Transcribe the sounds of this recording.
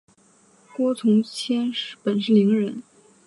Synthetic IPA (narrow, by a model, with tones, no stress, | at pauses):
kwɔ˥t͡sʰʊ˧˥ŋt͡ɕʰjɛ˥nʂ̩˥˩pə˨˩nʂɻ̩˥˩li˧˥ŋɻə˧˥n